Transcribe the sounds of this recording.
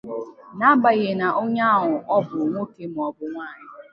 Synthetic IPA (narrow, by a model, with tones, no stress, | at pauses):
na˦ba˨ɣɪ˨na˨ʔo˦ɲa˦ɦʊ˨ʔɔ˦bʊ˨ŋʷʊ˦ke˦m̩˨ɔ˨bʊ˦ŋʷaː˦˨ɲɪ˦